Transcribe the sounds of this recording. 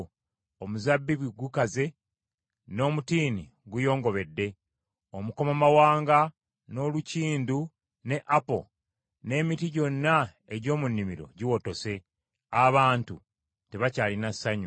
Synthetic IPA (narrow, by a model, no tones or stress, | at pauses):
omuzabːiβiɡukaze̞ | no̞ːmutiːni | ɡujo̞ːŋɡo̞βe̞dːe̞ | omuko̞mamawaːŋɡa | no̞luciːndu | ne̞ʔapo̞̰ | ne̞ːmitiɟo̞nːa | e̞ɟo̞ːmunːimiɾo̞̰ɟiwo̞to̞se̞ | aβaːntu | te̞βacaːlinasːaɲu